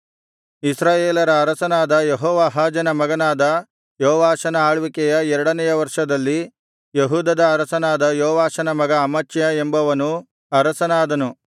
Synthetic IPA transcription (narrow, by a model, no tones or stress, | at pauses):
isɾaːjeːlɐɾɐːɾɐsɐnaːd̪ɐjeɦɔːʋaːɦaːd͡ʒɐnɐmɐɡɐnaːd̪ɐ | joːʋaːʃɐnɐaːɭʋikɛjɐɛɾɐɽɐnɛjɐʋɐɾʂɐd̪ɐlːi | jeɦuːd̪ɐd̪ɐːɾɐsɐnaːd̪ɐjoːʋaːʃɐnɐmɐɡɐːmɐt͡ʃːjɐembɐʋɐnu | ɐɾɐsɐnaːd̪ɐnu